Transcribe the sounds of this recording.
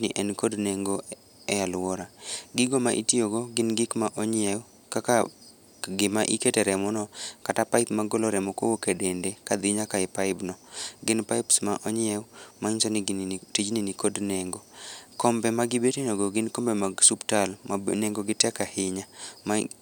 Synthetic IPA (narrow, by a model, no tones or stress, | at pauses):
nɪʔɛnkodneŋɡo | ɛjalwɔɾaɡɪɡomaʔḭtioɡoɡɪnɡɪkmaʔɔɲɪɛw | kaka | ɡɪmaʔiketɛɾɛmɔnɔkatapaɪpmaɡoloɾɛmɔkowokedendekad̪ɪɲakaɪpaɪbnɔɡɪnpaɪpsmaʔɔɲɪɛwmaɲsonɪtid͡ʒninikodnɛŋɡokɔmbɛmaɡɪbetenoɡoɡɪnkɔmbemasuptalmaneŋɡoɡɪtɛkahɪɲama